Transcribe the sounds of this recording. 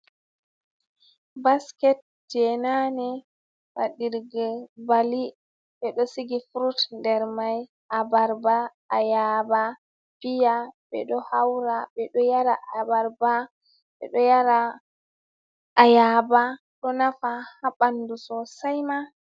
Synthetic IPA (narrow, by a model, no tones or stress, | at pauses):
baskɛt̚ | d͡ʒɛnanɛ | waɗiɾɡɛbali | ɓɛɗɔsiɡifuɾutndɛɾmaj | ʔabaɾbaː | jaba | pijaɓɛɗɔhawɾabɛɗɔjaɾaʔabaɾba | ɓɛ̰ɗɔjaɾa | jaba | ɗɔnafahabandusɔsajma